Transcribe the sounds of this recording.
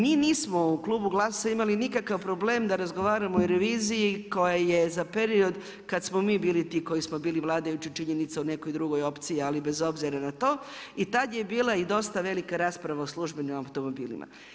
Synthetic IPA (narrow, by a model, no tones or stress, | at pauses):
miːniːsmo̞uklˠuːbuɡlˠasaimalinikakaʋpɾo̞ble̞ːmd̪aɾazɡo̞ʋaːɾamooɾeʋiːzijiko̞jaje̞zapeɾio̞d̪ | kad̪smomiːbiːlit̪iːko̞jismo̞biːliʋlˠaːd̪ajut͡ɕit͡ʃiɲe̞nit̪saune̞ko̞jd̪ɾuɡojo̞pt̪sijialibe̞zo̞bziɾanat̪o̞ːit̪ad̪jebiːlˠaid̪o̞st̪aʋe̞likaɾaːspɾaʋaoslˠuʒbe̞nimawt̪o̞mo̞bḭːlḭmʔa̰